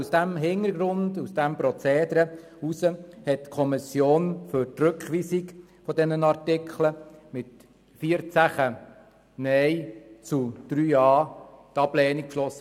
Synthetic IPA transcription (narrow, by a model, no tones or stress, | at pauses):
usd̥æmɦɪnəɾɡɾʊndusd̥æmpɾɔt͡seːd̪ɾə | usəhɛt̚kʰɔmɪsjoːnfʏɾtrɵkχʋiːsik | fɔdɛnənɑɾtɪkχləmɪt | fiːəɾt͡sæχə | nɛjt͡sud̥ɾyːɑːtɑb̥lɛːnik̚kʃlɔsːə